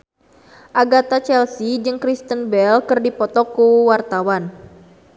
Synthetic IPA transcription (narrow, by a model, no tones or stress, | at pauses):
ʔaɡat̪at͡ʃɛlsid͡ʒɨŋkɾist̪ənbɛlkɨrdipɔt̪ɔkuwart̪awan